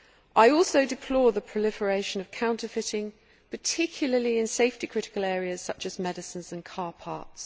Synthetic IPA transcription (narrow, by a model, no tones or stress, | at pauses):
ʔaɪɔˑlˠsəʊdɪpʰl̥ɔːðəpʰɹ̥əlɪfəɹeɪʃə̃nəv̥kʰãʊ̃ntəfɪtɪ̃ŋ | pʰətʰɪkʰjl̩ˠəliɪ̃nseɪftikʰɹ̥ɪtɪ̥kəlɛːɹiəz̥sʌt͡ʃəzmɛdɪsə̃nzə̃nkʰɑːpʰɑ̰ˑts